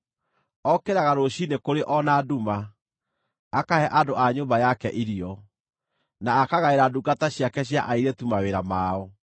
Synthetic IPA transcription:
ɔkeɾaɣaɾoɕinekoɾeʔɔnaːduma | kahɛʔadoaɲombajakɛʔiɾiɔ | naːkaɣaeɾaduɡataɕjakɛɕ̬jaʔaiɾetumaweɾamaɔ

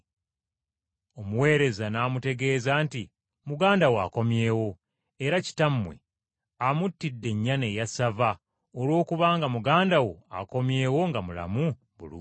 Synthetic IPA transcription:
o̞muwe̞ːɾe̞zanaːmute̞ɡe̞ːzanti | muɡaːndawa̰ko̞mje̞ːwo̞ | e̞ɾaci̥tamːwḛ | amutːidːe̞ɲːane̞jasava | olwo̞ːkuβaːŋɡamuɡaːndawo̞a̰ko̞mje̞ːwo̞ŋɡamula̰mu | βṵlṵ

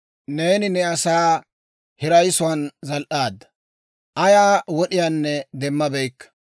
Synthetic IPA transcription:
ne̞ːnɪnɛɐsaː | hɪɾɐjsʊwɐnzɐlʔaːd̪ːɐ | ʔɐjaːwɔɗɪjaːnːɛd̪ɛmːɐbɛjkːɐ̥

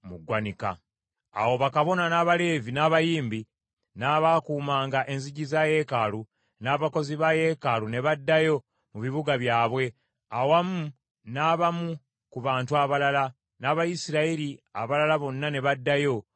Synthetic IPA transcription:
muɡwanika̰ː | wo̞βakaβo̞nanaːβale̞ːvinaːβajiːmbi | naːβakuːmaːŋɡaʔe̞nziɟizaje̞ːkalu | naːβako̞ziβaje̞ːkalune̞βadːajo̞ | muβiβuɡaβjaːβwe̞ | awamu | naːβamu | kuβaːntuaβalala | naβajisiɾaiɾia̰βalalaβo̞nːane̞βadːajo̞

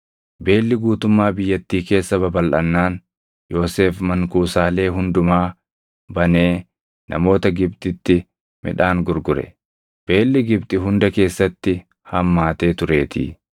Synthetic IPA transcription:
be̞ːlːɪɡuːt̪ʊmːaːbɪjːɐt̪ːiːke̞ːsːɐbɐbɐlʔɐnːaːn | jo̞ːse̞ːfmɐŋkuːsaːle̞ːɦʊnd̪ʊmaː | bɐne̞ː | nʔɐ̰mo̞ːt̪ɐɡɪb̚t̪ʼɪt̪ːɪ | mʔɪ̰ᶑaːŋɡʊɾɡʊɾɛ̰ | b̥e̞ːlːɪɡɪbt̪ʼɪɦʊnd̪ɐke̞ːsːɐt̪ːɪ | hɐmːaːt̪e̞ːt̪ʊɾe̞ːt̪ʰḭː

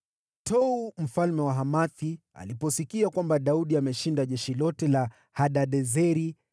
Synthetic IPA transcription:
tʰɔum̩falmɛwaɦamaθi | a̰lipɔsikiakwambaɗauɗiamɛʃindaʄɛʃilɔtɛla | haɗaɗɛzɛɾi

